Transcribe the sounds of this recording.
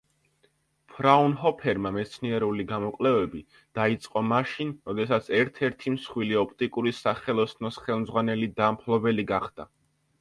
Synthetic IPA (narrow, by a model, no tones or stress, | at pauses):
pʰɾaunɦɔpʰɛɾmamɛt̪sʰniɛɾuliɡamɔkʼlɛvɛbi | d̪̥ait̪sʼqʼɔmaʃinɾɔd̪ɛsat̪sʰɛɾt̪ʰɛɾt̪ʰimsχwiliɔp̚ʰt̪ʼikʼuɾisaχɛlˠɔsnɔsχɛlˠmdzʁwanɛlid̪ampʰlˠɔbɛliɡaχd̪̥a